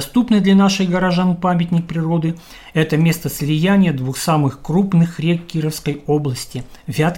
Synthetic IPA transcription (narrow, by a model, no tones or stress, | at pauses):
st̪upnɨd̪lʲanaʂɨjɡəɾɐʐanpamʲɪtʲnʲɪk̚pɾʲɪro̞d̪ɨ | ɛt̪əmʲe̞st̪əsʲlʲɪjænʲɪjəd̪vuxsamɨxkrupnɨxrʲekʲːiɾəfskəjoblˠəsʲtʲɪ | vʲat̪